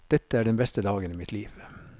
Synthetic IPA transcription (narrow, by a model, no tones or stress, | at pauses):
d̪̥ɛt̪əæːɖɛnbɛst̪əd̪ɑːɡəniːmɪt̪liːʋ